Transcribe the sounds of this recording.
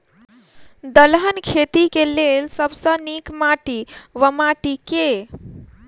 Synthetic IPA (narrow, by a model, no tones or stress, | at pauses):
d̪əlɦənkʰet̪ikelelsəbsə̃nikmaʈiʋəmaʈike